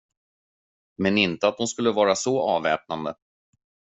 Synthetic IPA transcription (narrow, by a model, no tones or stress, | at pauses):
mɛnɪnt̪əat̪̚d̪ʊmskɵlːəvɑːɾasɔɑːvɛːp̚nand̪ə